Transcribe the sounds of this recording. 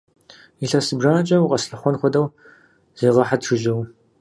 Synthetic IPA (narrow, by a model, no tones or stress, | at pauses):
iɬɐsɨbraːnt͡ʃʼɐwqʼɐsɬɐχʷɔnχʷɔdɐw | z̥eːʁɐħatʰʂɨʒɐw